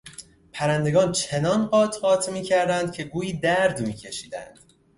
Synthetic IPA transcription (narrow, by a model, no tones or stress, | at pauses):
pʰæɾænd̪e̞ɡɒːnt͡ʃʰe̞nɒnɢɒːt̪ʰɢɒːt̪ʰmiːcʰæɾd̪ænd̪̥̚cʲʰe̞ɡuːjiːd̪æɾd̪miːcʲʰe̞ʃiːd̪æ̰nd̪̥